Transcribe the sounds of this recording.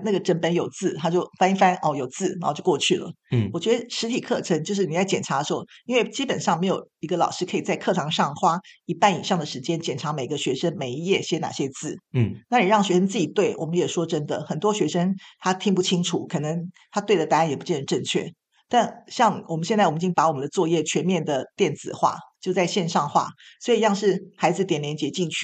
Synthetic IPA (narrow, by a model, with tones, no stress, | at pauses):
na˥˩ɡə˩ʈ͡ʂə˥˩npə˥njo˨˩ʊt͡sɹ̩˥˩t̪ʰa˥t͡ɕjo˥˩ʊfa˥n˥fa˥nʔɔ˥˧˩jo˨˩ʊt͡sɹ̩˥˩na˧˥˨t͡ɕjo˥˧ʊkwɔ˥˧t͡ɕʰy˥˩lə̰˩ | wɔ˨˩t͡ɕɥɛ˧˥d̪ə˧ʂɻ̩˧˥t̪ʰi˨˩kʰɤ˥˩ʈ͡ʂʰə˧˥ŋt͡ɕjo˥˧ʊʂ̬ɻ̩˥˩i˨˩t͡sa˥˩ɪt͡ɕjɛ˨˩nʈ͡ʂʰa˧˥də˧ʂɻxo˥˩i˥nwe˥˩ɪt͡ɕi˦˥pə˨˩nʂɑ˥˩ŋme˧˥ɪjo˨˩ʊi˧˥ɡə˧lɑ˨˩ʊʂɻ̩˥kʰɤ˧˥i˨˩t͡sa˥˧ɪkʰɤ˥˩ʈ͡ʂʰɑ˧˥ŋʂɑ˥˩ŋxwa˥i˧˥pa˥˩ni˨˩ʂɑ˥˩ŋd̪ə˩ʂɻ̩˧˥t͡ɕjɛ˥nt͡ɕjɛ˨˩nʈ͡ʂʰa˧˥me˨˩ɪɡə˧˦ɕɥɛ˧˥ʂə˥ŋme˨˧˩ɪi˧jɛ˥˩ɕjɛ˥na̰˨˩ɕjɛ˦˥t͡sɹ̩˥˩na˥˩ni˨˩ɻɑ˥˩ŋɕɥɛ˧˥ʂə˥nt͡sɹ̩˥˩t͡ɕi˨˩t̪we˥˩ɪwʔɔ̰˨˩mə˦njɛ˨˩ʂwɔ˥ʈ͡ʂə˦˥nd̪ə̰˨xə˨˩nt̪wɔ˥ɕɥɛ˧˥ʂə˥ŋt̪ʰa˥t̪ʰi˥ŋpu˥˩t͡ɕʰi˥ŋʈ͡ʂʰu˨˩˦kʰɤ˨˩nə˧˦ŋt̪ʰa˥t̪we˥˩ɪdə˩t̪a˥ɻa˧˥njpu˧˥t͡ɕjɛ˥˩nə˧˦˥ʈ͡ʂə˥˧ŋt͡ɕʰɥɛ̰˥˩ | t̪a˥˩nɕjɑ˥˩ŋwɔ˨˩mə˦nɕɛ˥˧t͡sa˥˩wt͡ɕi˥˩pa˧˥wmə˦nd̪ə˧˩t͡swɔ˥˧jɛ˥˩t͡ɕʰɥɛ˧˥nmjɛ˥˩nd̪ə˩t̪jɛ˥˩nt͡sɹ̩̰˨˩xwa̰˥˩t͡ɕjo˥˧ʊt͡sa˥˧ɪɕjɛ˥˧nʂɑ˥˧ŋxwa̰˥˩swɔ˧˥i˨˩jɑ˥˧ŋʂɻ̩˥˩xa˧˥ɪd͡zɹ̩˨˩t̪jɛ˨˩nljɛ˧˥nt͡ɕjɛ˧˥t͡ɕi˥˧ŋt͡ɕʰy˥